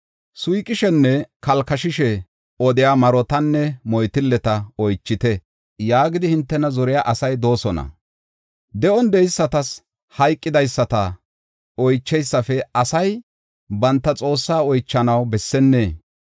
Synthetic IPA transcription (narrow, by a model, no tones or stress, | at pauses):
sʊjkʼːɪʃɛnːɛkɐlkɐʃɪʃɛ | ɔd̪ɪjamɐɾɔt̪ɐnːɛmɔjt̪ɪlːɛt̪ɐɔjt͡ʃːɪt̪ɛ | jaːɡɪd̪ɪhɪnt̪ːɛnɐzɔɾɪjaːʔɐsɐjd̪o̞ːsɔnɐ̰ | d̪ɛʔɔnd̪ɛjsːɐt̪ɐs | hɐjkʼːɪd̪ɐjsːɐt̪ɐ | ɔjt͡ʃːɛjsːɐfɛɐsɐj | bɐnt̪ːɐt͡sʼo̞ːsːaːɔjt͡ʃːɐnɐwbɛsːɛnːeː